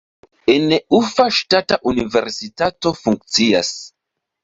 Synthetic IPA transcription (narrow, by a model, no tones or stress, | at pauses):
eneufaʃtataʔunive̞̰ɾsitato̞fuŋk̚t͡sia̰s